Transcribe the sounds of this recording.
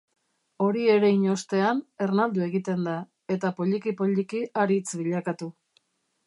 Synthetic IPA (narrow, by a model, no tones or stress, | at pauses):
o̞ɾie̞ɾe̞iɲo̞st̪e̞ane̞rnald̪ue̞ɣit̪e̞nd̪a | e̞t̪apo̞ʎikipo̞ʎikiaɾit͡sβiʎakat̪u